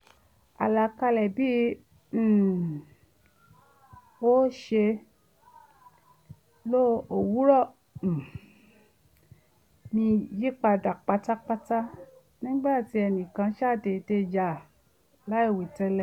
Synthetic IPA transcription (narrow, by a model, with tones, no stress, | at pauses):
a̰˨la˧˨ka˧lɛ˨bĩ˦˨ | o˦ʃe˧ | lo˦o˨wu˨˦ɾɔ˦˨ | nĩ˧ji˦k͡pa˧da˨k͡pa˧ta˦k͡pa˧ta˦ | nĩ˦ɡ͡ba˦˨ti˨˦ɛ˧nĩ˨kã˧ʃa˦˨te˨te˧d͡ʒa˨ | la˨˦i˦˨wi˨tɛ˧lɛ˨